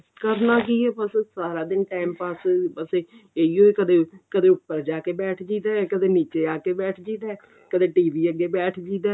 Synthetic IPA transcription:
kəɾnaːk̬iːɛːpəssaːɾaːd̪ɪnʈɛːmpaspəseːeiːɦoːekəd̪eːkəd̪eːʊpːəɾd͡ʒaːkeːbɛːʈʰd͡ʒiːd̪aːɛkəd̪eːniːt͡ʃeːaːkeːbɛːʈʰd͡ʒiːd̪aɛː | kəd̪eːʈiːʋiːəɡeːbɛːʈʰd͡ʒiːd̪aː

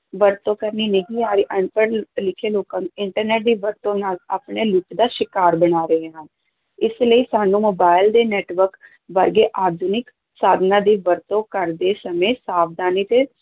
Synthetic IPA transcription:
ʋəɾt̪õːkəɾniːnəɦĩːaːɾiːʔəɳpəɾlɪkʰːeːloːkãːnuɪɳʈəɾneːʈ̚d̪iːʋəɾt̪õːnaːla̰ːpɳeːlʊʈd̪aːʃɪkaːɾbəɽaːɾəɦeːɦən | ɪsləiːsaːnũːmoːbaːɪld̪eːnɛːʈʋəɾk | ʋəɾɡeːʔaːd̪ʱunɪk | saːd̪nãːd̪iːʋəɾt̪õːkəɾd̪eːsəmẽːsaːpd̪aːniːt̪eː

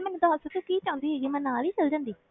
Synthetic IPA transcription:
mɛːnũd̪aːɦəsət̪õːkiːt͡ʃãːʊ̃nd̪iːɦɛːɡiːmɛ̃nːaːliːt͡ʃəld͡ʒãːnd̪iː

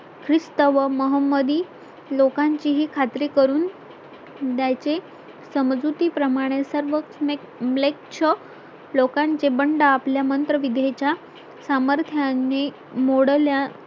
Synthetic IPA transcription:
kʰɾist̪əʋəməɦəmːəd̪iː | lokaɲt͡ɕiɦikʰat̪ɾekəɾuːn | d̪jat͡se | səmd͡zut̪iːpɾəmaɽ̃esəɾʋəkme | mlek̚t͡ɕʰə | lokãɲt͡ɕebəɳɖəapljamənt̪ɾəʋid̪ʱet͡ɕja | saməɾt̪ʰjanːe | moɽlja

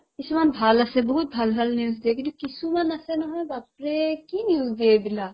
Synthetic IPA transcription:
ɪsmɐnbʱaːlɐsẽbɐɦʊt̪̚bʱɐlbʱɐlnijuːzd̪eːkinokisumɐnɐsenɐɦẽbaːpɾekinjuːzd̪eebɪlaː

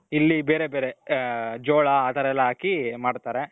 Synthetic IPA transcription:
ilːibeːɾebeːɾed͡ʒoːɭɐaːt̪ʰɐɾɛlːɐɦaːkimaːɽt̪aːɾe

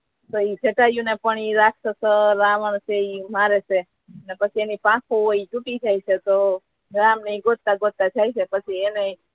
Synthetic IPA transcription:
t̪oid͡ʒʱeʈajũnepəɳiɾaktəsəɾaʋəɳseimaɾet͡ʃe | ənepət͡ʃʰienipãkʰooit͡ʃuʈid͡ʒʱait͡ʃet̪o | ɡɾamneiɡot̪̚kaɡot̪̚kad͡ʒʰʱajt͡ʃʰepət͡ʃʰiene

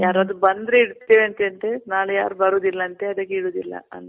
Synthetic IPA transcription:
jaːɾɐɐd̪ubɐnd̪ɾeiɽut̪ːeːʋeɐnt̪ent̪enaːɭuja̰ːɾubɐɾuːd̪ilːɐːnt̪eɐd̪ɐkːeiɽuːd̪ilːɐ̰ɐ̰nː

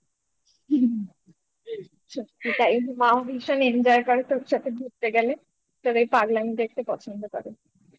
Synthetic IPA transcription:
t͡ɕʰoit̪ajunimaobʱiʃonend͡ʑɔeɾkɔɾet̪oɾʃat̪ʰebʱuɾt̪eɡɛle | t̪oɾaipaɡlamikeek̚ʰʈepɔt͡ɕʰond̪okɔ̰ɾe

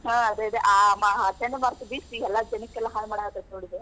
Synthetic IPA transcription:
ɦaɐd̪eid̪eʔaːmaʈeɳɖmaːɾsbiːsiɛlːɐd͡ʒɐnikːɛlːɐɦaːlmaːɽaat̪ɐt̪noɽid̪e

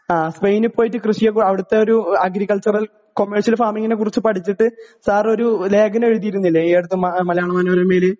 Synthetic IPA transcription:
aːspejnɨpːoːjitːɨkrɨʂijɐkɐʋiɽut̪ːe̞o̞ɾuɐɡɾikːɐlt͡ɕɐrɐl | ko̞mːerʂjɐlfaːmiŋːinek̬urit͡ɕːɨpɐʈʰit͡ɕːiʈːɨsaːro̞ɾule̞ːɡɐneɻuðijiɾunːilːeeːɽut̪ːɨmɐmɐlɐjaːɳɐmɐːnoɾomeːlɨ

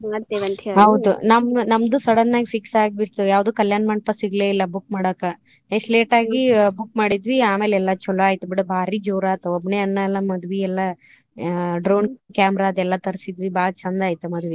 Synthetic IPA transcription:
ɐt̪iʋɐnt̪ɦɐwd̪ṵnɐmnɐmd̪usɐɽɐnːaːɡifʰiksaːɡbiʈt̪ujaːʋd̪uːkɐljaːnmɐɳ̚pɐsiɡleːilːɐbuk̚maːɽɐkːa | esʈleːʈaːɡibukmaːɽid̪ʋiaːmeːlɛlːɐt͡ʃɔloaːjit̪ubiɽɐbʱaːɾid͡ʒoːɾaːt̪uɔbneɐnːɐɛlːɐmɐd̪ʋiɛlːɐ | ɖɾoːnkaːmɾad̪ɛlːɐt̪ɐɾsid̪ʋibaːɾt͡ʃɐnd̪aːjt̪umɐd̪uʋi

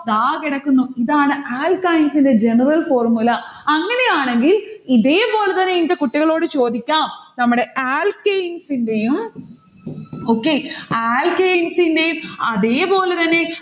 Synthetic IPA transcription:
ɐðaːkiɽɐkːunːuiðaːɳɨaːlkajnsinded͡ʑe̞nɐrɐlfo̞ːrmulɐɐŋːɐne̞jaːɳe̞ŋɡiliðe̞ːpo̞ːlet̪ɐnːeinitːɐkuʈːiɣɐɭo̞ːɽɨt͡ɕo̞ːd̪ikʲːaːmnɐmːuɽe̞ʔaːlkejnsindejum | o̞ːkːeaːlkejnsindejumɐðeːpo̞ːle̞t̪ɐnːe̞

